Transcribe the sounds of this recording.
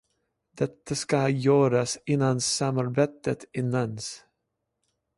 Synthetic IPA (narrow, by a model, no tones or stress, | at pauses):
d̪̥ɛt̪ʰːaskajœːɾasɪnːansamaɾbeːt̪ːət̪ɪnːans